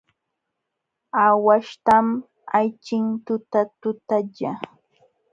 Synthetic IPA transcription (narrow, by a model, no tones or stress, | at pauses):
awaʃt̪am | ajt͡ʃɪnt̪ʊt̪at̪ʊt̪aʎa